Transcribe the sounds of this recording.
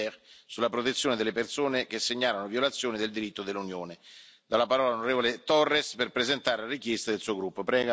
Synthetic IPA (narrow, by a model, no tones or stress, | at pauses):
ɛɾsulːapɾot̪et̪sːjoːned̪elːepersoːnek̟esːeɲːaːlanovjolat̪sːjoːnid̪eld̪iɾit̪ːod̪elːunjoːnɪd̪alːapaɾɔːlalonoɾeːvolet̪ɔrːesperpɾezent̪aːɾelaɾikjɛst̪ad̪elsuːoɡɾupːopɾɛːɡ